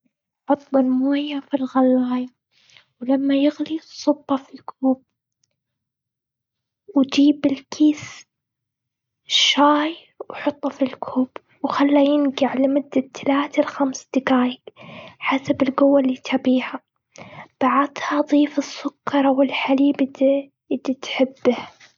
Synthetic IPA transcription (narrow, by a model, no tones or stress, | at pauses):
ħɑt̪ˤːɑlmoːjːafilɣalːaːja | wlamːajɪɣlisˤʊbːɑfilkʰuːb̚ | wd͡ʒiːbɪlkʰiːs | ʃːaːj | wħɑt̪ˤːɑfilkʰuːb | wxalːajɪnɡaʕlɪmʊd̪ːat̪ʰːalaːt̪alxamsd̪̥ɪɡaːjɪkħasabɪlɡʊwːalːiːt̪ʰabiːha | b̥aʕad̪had̪ˤiːfɨsːʊkːɑɾˤawɪlħaliːbɪd̪ | ɪd̪ːit̪ħɪbːɪh